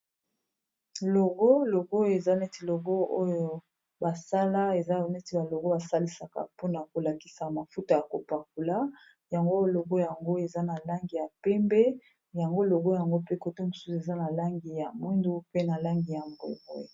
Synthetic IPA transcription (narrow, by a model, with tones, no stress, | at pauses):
lo˨ɡo˦lo˨ɡo˦˨e˨za˦ne˦ti˨lo˨ɡo˦o˦jo˨ | ba˨sa˦la˦e˨za˦˨ne˦ti˦˨ba˨lo˨ɡo˦ba˨sa˦li˦sa˨ka̰˨po˦na˨ko˨la˨ki̥˦sa˨ma˨fu˦ta˨ja˨ko˨pa˨k̚u˨la˦ | ja˨ŋɡo˦˨lo˨ɡo˦ja˨ŋɡo˦e˨za˦na˨la˦ŋɡi˨ja˨pɛ˦mbɛ˦ | ja˨ŋɡo˦lo˨ɡo˦ja˨ŋɡo˦pe˦ko˨to˦mo˨su̥˦su˨e˨za˦na˨la˦ŋɡi˨ja˨mwi˦ndu˦pe˦na˨la˦ŋɡi˨ja˨mbo˨ɡo̰˦˨